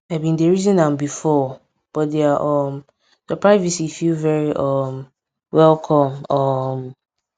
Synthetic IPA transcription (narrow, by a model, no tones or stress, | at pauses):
aɪbĩndeɹizɔ̃nãnbifɔ | b̥ɔt̚deaʔɔm | d̥əpʰɹ̥aɪvisifilvɛɹiʔɔm | wɛlˠkʰɔ̃mɔm